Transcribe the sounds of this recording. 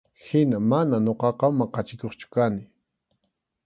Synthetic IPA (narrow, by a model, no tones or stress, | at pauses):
hɪnamananoqɑqɑmɑqɑt͡ʃɪkoχt͡ʃʊ̥kanɪ